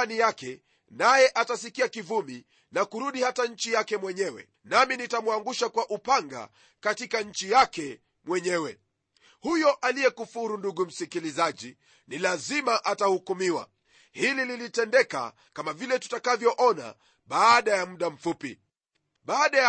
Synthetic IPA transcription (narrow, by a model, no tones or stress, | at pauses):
nijakɛ | najɛʔatasikiakivumi | nakuɾuɗihataɲ̩t͡ʃijakɛmwɛɲɛwɛ̰ | naminitamwaŋɡuʃakwaʔupaŋɡa̰ | katikaɲ̩t͡ʃijakɛ | mwɛɲɛwɛ | hujɔʔalijɛkufuɾunduɠum̩sikilizaʄi | nilazimaʔatahukumiwa̰ | hilililitɛndɛka̰ | kamavilɛtu̥takavjɔʔɔna̰ | ɓaːɗajamuɗam̩fupḭ | ɓaːɗaj